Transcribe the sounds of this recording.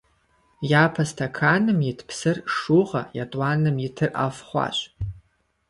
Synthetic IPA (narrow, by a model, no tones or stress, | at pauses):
japʰastʰakʰanɨmjitʰpʰsɨrʂuʁa̰jatʼwanɨmitʰɨrʔa̰fχʷa̰ɕʷʼ